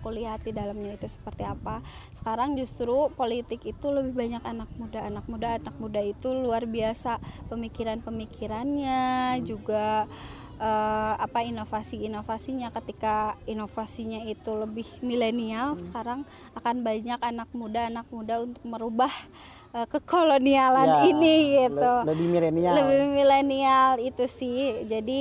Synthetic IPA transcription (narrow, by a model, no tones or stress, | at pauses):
akuliɦat̪̚didalamɲait̪usə̥pərt̪iapa | sə̥kaɾaŋd͡ʒust̪ɾupolit̪ɪkit̪uləbɪhbaɲakanak̚mudaːnak̚mudaːnak̚mudait̪uluarbiasapəmikiɾanpəmikiɾanɲad͡ʒuɡa | ʔəapainofasiːnofasiɲakət̪ikainofasiɲait̪uləbɪhmilenialsə̥kaɾaŋ | akanbaɲakanak̚mudaːnak̚mudaunt̪ʊk̚məɾubah | əkəkolonialaniniɡit̪uləbimilenialəbɪhmilenialit̪usɪhd͡ʒadi